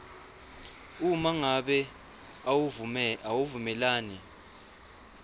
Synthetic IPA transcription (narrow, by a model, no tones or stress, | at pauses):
umaŋaɓɛ | awuvumɛlaːni